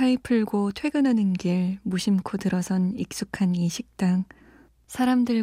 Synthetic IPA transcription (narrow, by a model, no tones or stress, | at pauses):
kʰaipʰɯɭɡotʰwe̞ɡɯnɦanɯnɡiɭmuɕʰimkʰotɯɾʌsʰʌnik̚s͈ukʰaniɕʰik̚t͈aŋ | sʰaɾamdɯɭ